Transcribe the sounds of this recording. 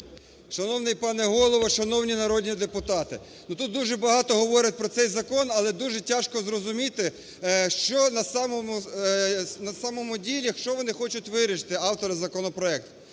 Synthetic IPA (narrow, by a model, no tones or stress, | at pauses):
ʃɐnɔwnɪjpɑnɛɦɔlˠɔʋɔʃɐnɔwnʲinɐɾɔdʲnʲid̪epʊt̪ɑt̪ɪ | nut̪ut̪̚d̪uʒɛbɐɦɑt̪ɔɦɔʋɔɾʲɐt̚ʲpɾɔt̪sɛjzɐkɔnɐlˠɛd̪uʒɛtʲaʃkɔzrɔzʊmʲit̪ɪ | ʃt͡ʃɔnɐsɑmɔmʊ | nɐsɑmɔmʊdʲilʲiʃt͡ʃɔʋɔnɪxɔt͡ʃʊtʲʋɪɾʲiʃt̪ɪɑwt̪ɔɾɐzɐkɔnɔpɾɔɛk̚t̪ʊ